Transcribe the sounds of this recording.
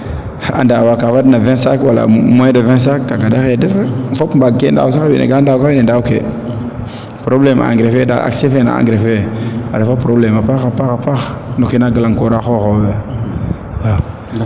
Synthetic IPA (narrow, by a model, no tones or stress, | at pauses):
a̰ndawakafadnavesakwala̰moedaves̬akkːaɡadaxedəɾfopmbaɡ̚kenda̰sabḭnḛɡandakaenendaukḛ | pɾoblema̰ŋɡɾefeda̰a̰ksefena̰a̰ɡɾefea̰ɾefapɾoblemapaxapaɣapaxnukinaɡəlaŋkoɾaxoxobe | wa